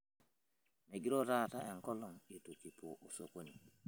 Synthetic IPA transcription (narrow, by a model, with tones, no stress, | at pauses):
me˨ɡi˦ɾo˦ta˦˨ta˦ʔe˨ŋko˦lo˨ŋji˨tu˨ki˨po̰˨ʔo˨so̰˨ko˦ni˨